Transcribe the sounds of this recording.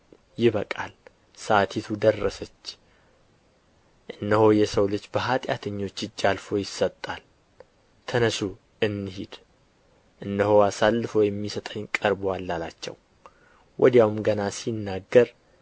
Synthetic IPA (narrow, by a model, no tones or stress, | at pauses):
jɪβəkʼa̰l | sat̪ʰit̪ʰud̪ərːəsət͡ʃː | ʔɨnːəhojɛsəwlɨt͡ʃːbəɦat̪ʼja̰t̪ʰɨɲːo̞t͡ʃːɨd͡ʒːalfo̞jɪsːət̪ʼːal | t̪ʰənəsu | ɨnːɨhid̪ | ʔɨnːəhoasalːɨfojɛmːisət̪ʼəɲːkʼəɾboalːalat͡ʃːɛ̰w | wʔɔ̰d̪jawumɡənasinːaɡːəɾ